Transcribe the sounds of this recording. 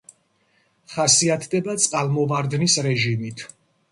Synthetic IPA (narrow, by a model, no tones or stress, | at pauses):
χasiat̪ʰd̪ɛbat̪sʼqʼalˠmɔvaɾd̪nisɾɛʒimit̪ʰ